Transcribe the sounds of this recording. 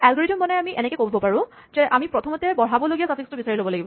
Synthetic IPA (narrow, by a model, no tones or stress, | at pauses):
ɛlɡɔɹidɔmbɔnɛamiʔɛnɛkɛkobɔbɔpaɹʊ̃ | zɛʔamipɹɔtʰɔmɔtɛbɔɹabɔloɡijasafʰikstʊbisaɹilobɔlaɡibɔ